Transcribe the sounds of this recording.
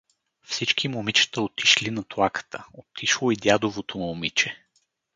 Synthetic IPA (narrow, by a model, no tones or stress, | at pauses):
fsit͡ʃkimomit͡ʃə̥t̪əot̪i̥ʃlinɐt̪oakə̥t̪ʰəot̪iʃlˠoid̪jad̪ovot̪omomit͡ʃɛ